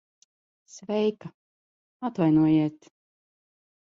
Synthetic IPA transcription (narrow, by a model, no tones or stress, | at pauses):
svɛjka | at̪vajnuɔjiɛt̪